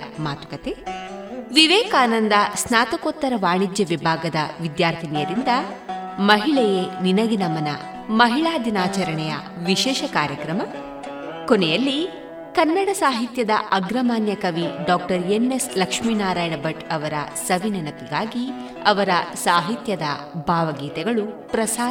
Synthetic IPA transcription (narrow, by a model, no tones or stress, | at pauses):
maːt̪ukɐt̪e | ʋiʋɛːkaːnɐnd̪ɐsnaːt̪ɐkoːt̪ːɐɾɐʋaːɳid͡ʒ̪jɐʋibʱaːɡɐd̪ɐʋid̪jaːɾt̪ʰinijɐɾind̪ɐmɐɦiɭɛjeninɐɡinɐmɐnɐ | mɐɦiɭaːd̪inaːt͡ʃɐɾɐɳɛjɐ̰ | ʋiʃɛːʃɐkaːɾjɐkɾɐmɐ | kɔnɛjɐlːi | kɐnːɐɽɐsaːɦit̪jɐd̪ɐɐɡɾɐmaːnjɐkɐʋiɖaːk̚ʈɐɾjenːeslɐkʂmiːnaːɾaːjɐnɐbɐʈɐʋɐɾɐ̰sɐʋinɐnɐpiɡaːɡi | ɐʋɐɾɐsaːɦit̪jɐd̪ɐ | bʱaːʋɐɡiːt̪ɛɡɐɭupɾɐsaː